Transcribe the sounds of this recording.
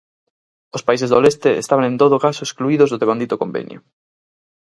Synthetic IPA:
ospais̬ezðolest̪eḛst̪aβaŋẽnt̪oðoʊkasʊeskluiðozðoðeβand̪it̪okombḛnjo̰

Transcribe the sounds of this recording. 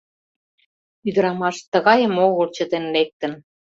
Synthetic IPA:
yd̪əɾɑmɑʃt̪ə̆ɣɑjəmoɣəlt͡ɕət̪enlek̚t̪ə̆n

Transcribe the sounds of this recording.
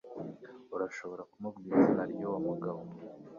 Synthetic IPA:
uɾaʃoβo̞ɾakumubɡiːzahaɾjowamuɡaβo

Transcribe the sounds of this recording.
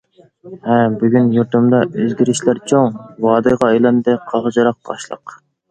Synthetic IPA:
hɛbyɡʲynjuɾt̪ɨmd̪ɑøzɡʲiɾɪʃlæɾt͡ʃʰoŋwɑːd̪ɨʁɑɑjlˠɑnd̪ɨqʰɑʁəd͡ʒɑɾɑq̚t̪ʰɑ̰ʃlˠə̰q

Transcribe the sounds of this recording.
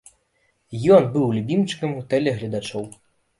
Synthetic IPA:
jɔnbɨwlʲubʲimt͡ʂɨ̥kɐmɣut̪ɛlʲɛɣlʲɐd̪at͡ʂɔw

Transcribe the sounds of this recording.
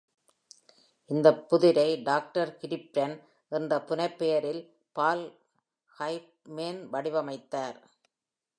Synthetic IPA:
ʔɪnd̪ɐpːʊðɪɾɐɪɖaːk̚ʈɐɾkɪɾɪp̚ɾɐn | ʔɛndɐpːʊnɐɪpːejɐɾɪl | paːl | hɐɪp̚ | meːnʋɐɽɪʋɐmɐɪt̪ːaːɾ

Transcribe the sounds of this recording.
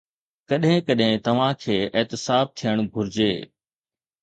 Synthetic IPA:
kɐɗɦɪ̃kɐɗɦɪ̃t̪ɐʋ̤ãkʰeːɪːt̪ɪsaːb̚t̪ʰijəɽ̃ɡʱʊɾɪd͡ʑeː

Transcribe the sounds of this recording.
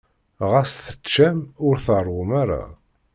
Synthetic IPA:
ʁasθə̥t͡ʃːæmʊɾθərˤʊmaɾˤa̰

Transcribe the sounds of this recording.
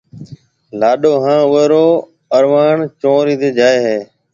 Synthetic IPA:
laːɗoːɦãːʊʋeːɾoː | əɾʋaːɳt͡ʃõːɾiːt̪eːd͡ʒaːeːɦeː

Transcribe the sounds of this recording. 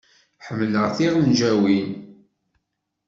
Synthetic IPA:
ħəmːləʁθinʒæwin

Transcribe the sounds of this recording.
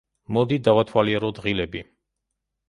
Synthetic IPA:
mɔd̪id̪avat̪ʰwaliɛɾɔd̪ʁilɛbi

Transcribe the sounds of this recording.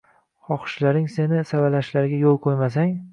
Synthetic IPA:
hɒχɨ̥ʃlaɾɪŋse̞nɪsavalaʃlaɾɡʲajolˠqʰojmas̬aŋ

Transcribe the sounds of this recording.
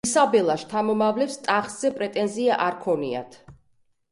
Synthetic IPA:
sabɛlˠaʃt̪ʰamɔmavlɛfst̪ʼaχz̥ɛpʼɾɛt̪ʼɛnziaʔaɾkʰɔnḭa̰t̪ʰ

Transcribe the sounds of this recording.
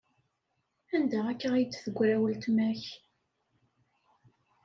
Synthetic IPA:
ænd̪æækːəʁijt͡sːθəɡʷːɾæwəlt̪mæç

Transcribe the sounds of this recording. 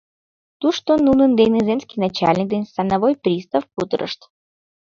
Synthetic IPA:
t̪uʂt̪onunənd̪ejnɨzemskʲijnat͡ɕalʲnʲik̚d̪enʲsanavojpɾʲist̪afput̪əɾə̰ʂt̪

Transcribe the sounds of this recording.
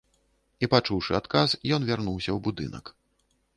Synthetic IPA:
ipat͡ʂuwʂɨat̪kasjɔnvʲarnuwsʲɐwbud̪ɨ̰nɐ̰k

